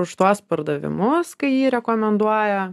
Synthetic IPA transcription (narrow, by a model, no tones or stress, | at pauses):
ʊʃt̪uɔspɐɾd̪ɐʋʲɪ̰mʊskɐɪjiːɾʲɛkoːmʲɛnd̪uɔjɛ